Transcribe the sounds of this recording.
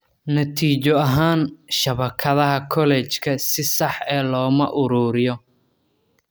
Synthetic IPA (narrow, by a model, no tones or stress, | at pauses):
nɐt̪ʰiːt͡ʃɔɐɦaːnʃɐβɐkʰɐðɐɦɐkʰɔlɛːt͡ʃkʰɐsɪsɑħɛːlɔːmɐʔʊɾuːɾɪjɔ